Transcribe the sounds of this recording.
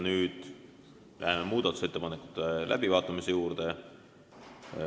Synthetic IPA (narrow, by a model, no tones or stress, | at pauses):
nyːd̪̥ | lʔæ̰ɦememuːd̪̥ɑt̪ːˑu̥set̪ːe̞pɑnekːˑu̥t̪ːˑelʔæ̰b̥ivɑːt̪ːˑɑmise̞juːɾd̪̥e